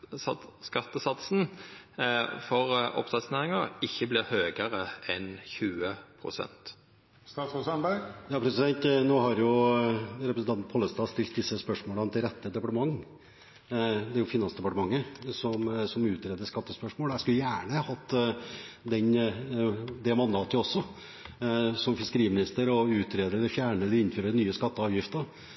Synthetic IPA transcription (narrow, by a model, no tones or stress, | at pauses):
skɑt̪ːəsɑt̪sn̩ | fɔʁɔ̰pt̪ɑt̪sneːʁɪŋəɪçːəblɪʁhøːɡəʁəɛnçʉːəpʰɾʊ̰sɛ̰nt̪ | st̪ɑːsɔsɑnbæjɑːpʰɾɛsɪd̪ɛnt̪noːhɑɾjʊ | ɾɛpɾsn̩ɑnn̩pʰɔlːəst̪ɑːst̪ɪlt̪̚d̪ɪsːəspœʂmoːlɑnt̪ʰɪlɾɛt̪ːəd̪ɛpɑʈəmɑŋː | d̪æɾjʊfɪnɑnsd̪ɛpɑʈəmɑŋːəsɔmsɔmʉːt̪ɾeːd̪əskɑt̪ːəspœʂmoːlæɪskʉləjæːɳəhɑt̪ː | d̪ɛn | d̪ɛmɑnd̪ɑːt̪əɔsːɔ | sɔmfɪskəɾiːmɪnɪst̪əɾɔʉːt̪ɾeːd̪əɾɛlɪɾfjæːɳəd̪ɪɪnføːɾənyːəskɑt̪ːəɑːʋjɪft̪ə